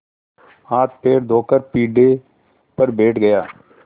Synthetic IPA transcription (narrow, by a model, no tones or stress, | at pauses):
aːt̪̚peːɾd̪ʱoːkəɾpiːɖe | pəɾbeːʈɡɐjaː